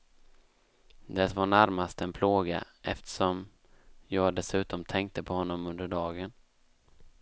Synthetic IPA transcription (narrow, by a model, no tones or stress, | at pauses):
d̪ɛt̪vaɳæɾmast̪ɛnpʰloːɡa̰ʔɛ̰ft̪ə̥ʂɔm | jɑːɡd̪ɛsʉ̟ːt̪ɔmt̪ʰɛŋk̚t̪əpʰɔhɔnːɔmɵnd̪əɖɑːɡən